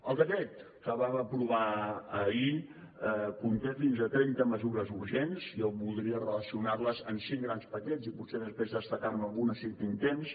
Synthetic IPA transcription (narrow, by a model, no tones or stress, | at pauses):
əlˠd̪əkɛt̪̚ | kəβaməpɾuβaəi | əkunt̪efinzət̪ɾɛnt̪əməzuɾəzuɾʒenziɔwβulˠd̪ɾiərələsiunarləzənsiŋɡɾanspəkɛd͡zipuseðəspɾezðəst̪əkaɾməlˠɣunəsiɾt̪int̪ens